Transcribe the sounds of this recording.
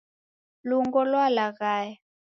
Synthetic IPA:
luŋɡɔlwalaɣaːja

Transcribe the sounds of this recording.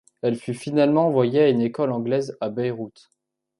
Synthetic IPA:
ɛlfyfinalmɑ̃ːvwajeaynekɔlɑ̃ɡlɛzabɛjʁut̪

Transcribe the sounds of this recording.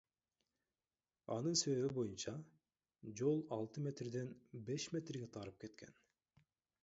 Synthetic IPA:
ɑ̰nɯnse̞βe̞βibo̞junt͡ʃɑ | d͡ʒo̞lˠɑlˠt̪ɯmʲe̞t̪rd̪e̞nbe̞ʃmʲe̞t̪rɡe̞t̪ʰɑɾɯp̚ke̞t̪kʰe̞̰n

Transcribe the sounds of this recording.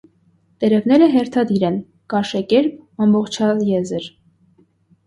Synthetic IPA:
t̪ɛɾɛvnɛɾəɦɛɾt̪ʰɑd̪iɾɛn | kɑʃɛkɛɾp̚ɑmbɔχt͡ʃʰɑjɛzəɾ

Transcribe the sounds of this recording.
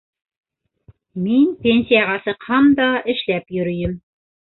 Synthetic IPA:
minpʲenʲsʲijaʁɑsɤqhɑmd̪ɑʔɘ̆ʃlæpjɵ̆ɾɵ̆jɘm

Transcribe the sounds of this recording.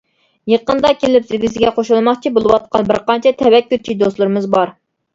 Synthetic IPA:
jeqənd̪ɑkʲelɪpsɪɡʲizɪɡʲɛqʰoʃulˠmɑχt͡ʃʰibolˠɨwɑt̪̚qɑnbɪɾqɑnt͡ʃʰɛt̪ʰɛwɛkʲːyɾt͡ʃʰid̪oslˠɨɾɨmɨzbɑɾ

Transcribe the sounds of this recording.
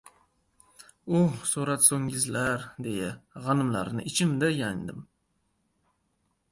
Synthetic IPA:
ʊsoɾat̪soŋʲɪzlaɾd̪ejaʁɑnɪmla̰ɾnɪ̰ʔɪt͡ʃʰɪmd̪ajand̪ɪm

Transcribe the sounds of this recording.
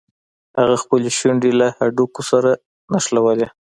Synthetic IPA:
haɣaxpəleʃwaɳɖelahaɖukosaɾa | naʃlawale

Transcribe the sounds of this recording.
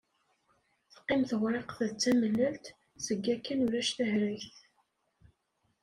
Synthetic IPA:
θqːɪmθʁɾˤeqθəðt͡sːæməlːælt̪ | zəɡːækːænuɾæʃθæhɾiçθ

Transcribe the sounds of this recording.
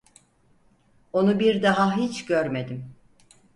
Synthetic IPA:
o̞nubiɾd̪aɦaɦit͡ʃɟøɾme̞d̪im

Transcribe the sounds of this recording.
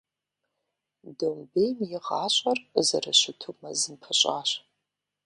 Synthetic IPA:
dɨmbejmjɪʁɑːɕʷʼɐrzɐrɐɕʊtʰumɐzɨmpʰɨɕʷʼaːɕ

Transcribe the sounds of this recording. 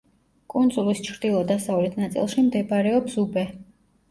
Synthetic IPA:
kʼund̪zʼulist͡ʃʰɾd̪ilˠɔd̪asavlɛt̪ʰnat̪sʼḭlˠʃimd̪ɛbaɾɛɔpsubɛ

